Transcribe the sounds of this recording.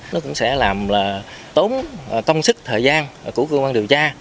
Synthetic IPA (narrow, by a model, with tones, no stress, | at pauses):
nɔ˨˦kʊ̰˧˥ŋ͡msɛ̰˧˥laː˨˩mlaː˨˩ | t̪o˨˦n˨˩kə˧wŋ͡msɨ˦˥k̚t̪ʰəː˨˩jzaː˧n˨˩ku˧˩əkəː˧kwaː˧nɗi˨˩wt͡ɕaː˧